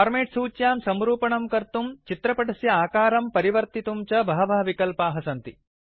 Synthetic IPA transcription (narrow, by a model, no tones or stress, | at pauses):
aːɾmeːʈsuːt͡ʃjaːmsɐmɾuːpɐɳɐmkɐɾt̪umt͡ʃit̪ɾɐpɐʈɐsjɐaːkaːɾɐmpɐɾiʋɐɾt̪it̪umt͡ʃɐbɐɦɐʋɐɦɐʋikɐlpaːɦɐsɐnt̪i